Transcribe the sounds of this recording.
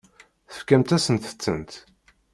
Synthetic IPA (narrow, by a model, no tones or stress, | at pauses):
θə̥fkæmt̪æsənt̪ə̥t͡sːə̰nt̪